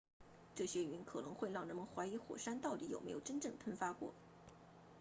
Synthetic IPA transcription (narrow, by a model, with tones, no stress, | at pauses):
ʈ͡ʂɤ˥˩ɕɥɛ˥y˧˥nkʰɤ˨˩nɤ˧˥ŋxwe˥˧ɪɻɑ˥˩ŋɻə˧˥nmə˧˨nxwa˧˥ɪi˧˥xwɔ̰˨˩ʂa˥nt̪ɑ˥˩ʊt̪i˧˥jo˨˩ʊme˧˥jo˨˩ʊʈ͡ʂə˥nʈ͡ʂɤ˥˩ŋpʰə˥nfa˥kwɔ̰˥˩